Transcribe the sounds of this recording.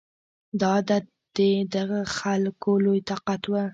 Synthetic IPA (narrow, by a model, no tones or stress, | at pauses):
d̪ɑd̪at̪̚ | d̪̥ed̪aʁəχalkolojt̪ɑqɑt̪wə